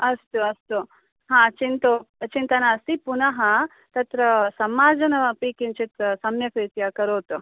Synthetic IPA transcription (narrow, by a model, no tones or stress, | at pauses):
ɐst̪uɐst̪u | ɦãːt͡ʃint̪ot͡ʃint̪ɐnaɐst̪ipunɐɦɐ | t̪ɐt̪ɾɐsɐmaːd͡ʒɐnɐɐpiːkint͡ʃit̪sɐmjɐkɾiːt̪jakɐɾoːt̪u